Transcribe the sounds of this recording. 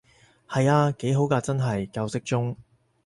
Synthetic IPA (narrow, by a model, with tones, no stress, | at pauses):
hɐ˨jaː˧ke˨˥jɦo˨˥wkaː˧t͡sɐ˥nɦɐ˨jkɐ˧wsɪ˥k̚t͡sʊ˥ŋ